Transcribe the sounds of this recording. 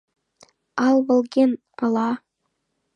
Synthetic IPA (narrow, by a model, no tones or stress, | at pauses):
ɑlˠβɤ̆lˠɡʲen | ɤ̆lˠɑ